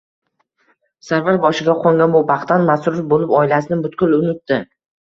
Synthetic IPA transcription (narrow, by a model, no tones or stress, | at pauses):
saɾvaɾbɒʃɪɡʲaqʰoŋɡʲanbʊbɑχt̪ːanmasʊɾɪfbolɪpɒɪlasɪnɪbʊt̪kʲʊlˠʊnɪt̪ːɪ